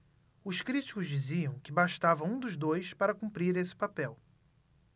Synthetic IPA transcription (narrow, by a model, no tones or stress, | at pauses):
ʊʃkɾit͡ʃi̥kʊzd͡ʒiziɐ̃w̃kɪbaʃt̪avɐũd̪ʊʒd̪ojspaɾɐkũmpɾiɾesɪ̥papɛw